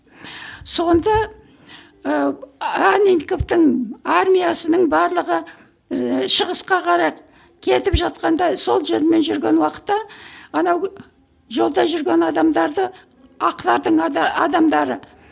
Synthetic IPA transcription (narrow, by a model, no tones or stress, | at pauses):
so̞nd̪ɑ | əaninko̞ft̪əɴarmʲijasənəɴbɑɾlˠəʁə | ʃəʁəsqɑqʰɑɾɑjq | kʲʰe̞t̪ɪpʒɑt̪̚qɑnd̪ɑso̞lˠʒeɾme̞nʒʏɾɡʲe̞nwɑqə̥t̪ːɑɑnɑw | ʒo̞lˠd̪ɑjʒʏɾɡʲe̞nɑd̪ɑmd̪ɑɾd̪ə | ɑqlˠɑɾd̪əɴɑd̪ɑmd̪ɑɾə